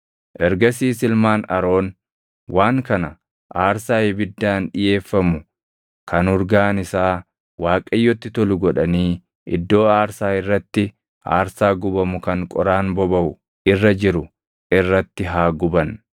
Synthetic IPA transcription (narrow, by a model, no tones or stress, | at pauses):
ʔɛɾɡɐsiːsɪlmaːnɐ̰ɾo̞ːn | waːŋkɐnɐ | ʔaːɾsaːjɪbɪd̪ːaːnᶑɪje̞ːfːɐmʊ | kʰɐnʊɾɡaːnɪsaː | waːkʼɐjːɔt̪ːɪt̪ɔlʊɡɔᶑɐniː | ʔɪd̪ːo̞ːaːɾsaːɪrːɐt̪ːɪ | ʔa̰ːɾsaːɡʊbɐmʊkɐŋkʼɔɾaːnbɔbɐʔʊ | ʔɪrːɐd͡ʒɪɾʊ | ʔɪrːɐt̪ːɪɦaːɡʊbɐn